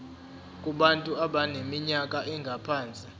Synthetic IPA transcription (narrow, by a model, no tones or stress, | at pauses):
kʼuɓantʼuaɓanemiɲakʼaʔɛŋɡʱapʰaːnt͡sʼi